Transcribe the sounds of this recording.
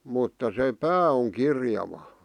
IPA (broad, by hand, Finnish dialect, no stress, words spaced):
mutːɑ se pæː oŋ kirjɑʋɑ